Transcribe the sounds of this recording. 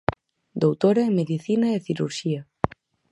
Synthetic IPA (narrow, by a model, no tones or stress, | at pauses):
d̪owt̪oɾɐemeðiθinɐeθiɾṵɾʃiɐ